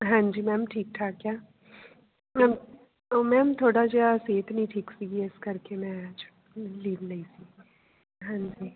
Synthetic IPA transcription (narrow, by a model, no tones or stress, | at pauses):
ɦãːd͡ʒiːmɛ̃ːmʈʰiːk̚ʈ̪ʰaːkjaː | mɛ̃ːm | omɛ̃ːmt̪ʰoːɽad͡ʒaseːt̪ʰnəĩʈʰiːksiɡiɪskɐɾkemɛ̃aːd͡ʒ | liːʋnɐisiː | ɦãɲd͡ʒiː